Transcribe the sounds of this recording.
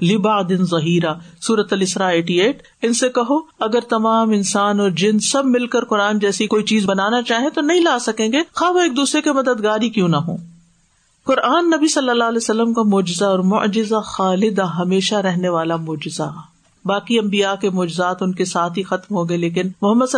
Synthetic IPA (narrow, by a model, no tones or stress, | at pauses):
lɪbaʕd̪ɪnzˤɐɦiːɾaːsuːɾət̪ɐlɪsɾaːeːʈieːʈ | ɪnsekɐɦoɐɡəɾt̪ɐmaːmɪnsaːnɔːɾd͡ʒɪnsɐbmɪlkəɾkʊɾaːnd͡ʒɛːsikoːit͡ʃiːzbɐnaːnat͡ʃaːɦẽt̪onɐɦĩlaːsɐkẽːŋɡexaːʋɐeːk̚d̪uːsɾekemɐd̪əd̪ɡaːɾikjũnɐɦõ̰ː | kʊɾʔaːnːɐbisɐlːəlːaːlɛːsɐlːəmkamʊːd͡ʒɪzaɔːɾmʊ̰ʔd͡ʒɪzaxaːlɪd̪aɦɐmeːʃaɾɛɦneʋaːlamʊːd͡ʒɪza̰ | baːkiɐ̃mbijakemɔːd͡ʒɪzaːt̪ʊnkesaːt̪ʰɦixɐt̪mɦõːɡeleːkɪnmʊɦəmːəd̪s